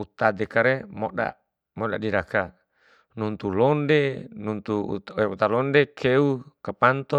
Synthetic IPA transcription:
ut̪ad̪ekaɾemoda̰ | moɗadiɾaka | nunt̪ulondenunt̪ṵeut̪alondekʰeukapant̪o

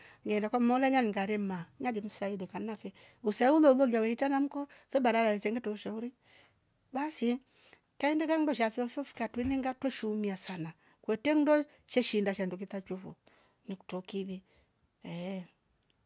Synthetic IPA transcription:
ŋɡɛndakɔmmɔlaɲaniŋɡaɾɛmaɲadim̩sailɛkannafɛ | usaulɔulɔliawɛitanam̩kɔfɛbaɾaɾaɛt͡sɛŋɡɛtɔuʃauɾi | basi | kaindɛkandɔʃ̬afɛɔfɔfi̥katinɛŋɡatwɛʃumiasana | kwɛtɛndɔ | t͡ʃɛʃindaʃanduk̬itat͡ʃufɔ̰ | niku̥tɔkiði | ɛ

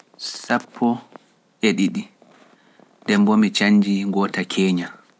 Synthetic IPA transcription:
sapʰːɔ | ʔɛɗiɗi | dɛmbɔmit͡ʃaɲːd͡ʒiɡɔːtakʰɛːɲa

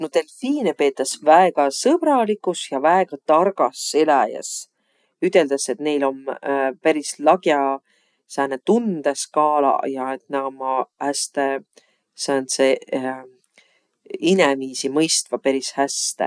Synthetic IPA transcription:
not̪elfiːnepe̞ːt̪ːˑɑsvæeɡ̥ɑsɤb̥ɾɑlikːˑusjɑvæeɡ̥ɑt̪ɑrɡ̥ɑsːelæjɑ̰s | yt̪ːˑe̞ld̪̥ɑse̞t̪ne̞jlo̞npæɾislɑɡjɑ | sæːnet̪und̪̥eskɑːlɑ̰jɑe̞t̪nɑɡomɑhæst̪e | sɑːnse | ineviːsimɤjst̪vɑpeɾishæst̪ḛ

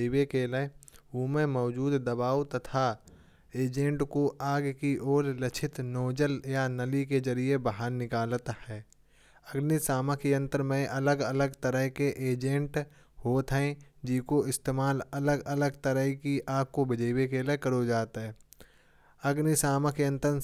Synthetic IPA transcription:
ɪwekeləuːmẽmɔːd͡ʒuːd̪ːɐbaːwt̪ət̪ʰa | eːd͡ʒẽɳʈkoʔaːɡkiʔoːɾlət͡ʃʰɪt̪noːd͡ʒəljanəlikezəɾiebaɦaɾnɪkaːlt̪hɛː | əɡnisaːməkijə̃nt̪əɾmẽʔɐləɡələɡt̪əɾəɦkeʔeːd͡ʒẽɳʈ | hoːt̪ɦɛ̃d͡ʒikoɪst̪eːmaːlɐləɡələɡt̪əɾəɦikiʔaːk̚kobɪd͡ʒəɪwekelekəɾod͡ʒaːt̪ɦɛː | əɡnisaːməkejə̃nt̪əɾ

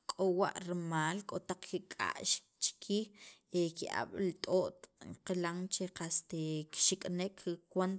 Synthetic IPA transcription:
kʼowa̰ʔɾmaːlkʼot̪aq͡χkikʼa̰ʔʃ | t͡ʃkʰiːxekiʔa̰ɓ̥lit̪ʼoʔt̪qelaŋt͡ʃeqast̪ekʃikʼnekʰkwan

